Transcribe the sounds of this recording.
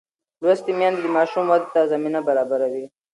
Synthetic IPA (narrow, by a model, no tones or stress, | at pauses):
lwast̪imjãnzd̪imɑːʃumwad̪̚t̪ːazɐminabaɾaːbaɾawi